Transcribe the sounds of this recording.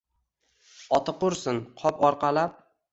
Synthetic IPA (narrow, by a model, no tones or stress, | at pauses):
ɒt̪ʰɨqʊɾsɪnqʰɒpɒɾqʰɑlap̚